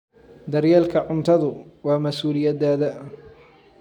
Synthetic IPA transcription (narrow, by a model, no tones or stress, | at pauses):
d̪ɐɾjɛːlkʰɐʕʊnt̪ʰɐðʊwɑːmɐsuːlɪjɐd̪aːðɐ